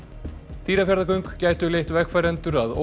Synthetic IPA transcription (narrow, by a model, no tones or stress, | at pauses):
t̪ʰiːɾafjaɾðakœɥŋkcaːjt̪ʏlejht̪vɛxkfajɾɛnt̪ʏɾaðo̰